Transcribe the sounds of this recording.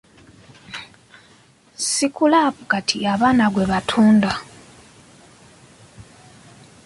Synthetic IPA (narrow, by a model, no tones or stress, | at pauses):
sikulapukatʰiaβaːnaɡwe̞βatʰuːnda